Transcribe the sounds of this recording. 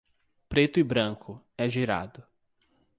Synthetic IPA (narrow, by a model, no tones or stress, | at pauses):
pɾet̪ʊɪbɾɐ̃ŋkʰʊ | ɛʒiɾa̰d̪ʊ